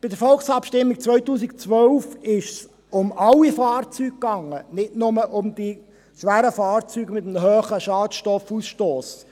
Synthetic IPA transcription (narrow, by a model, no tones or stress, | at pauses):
b̥ɪd̪əɾfɔlksɑpʃtɪmːik̚t͡sʋœʏtuːsɪkt͡sʋœlfɪʃs | ʊmɑlːifɑːrt͡syːk̚kːɑŋːənɪtnʊməʔʊmd̥̪i | ʃʋæːɾəfɑːrt͡syːɡmɪt̪əmɦøːχəʃɑːtʃtɔfusʃtoːs